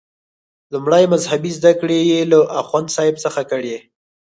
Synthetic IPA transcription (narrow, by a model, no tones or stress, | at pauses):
lumɽajmazhabizd̪akɽejelaʔaxwand̪sɑɪbsəxakəɽe